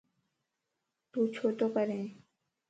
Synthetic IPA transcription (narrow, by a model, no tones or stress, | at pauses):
t̪ut͡ɕʰot̪opaɾe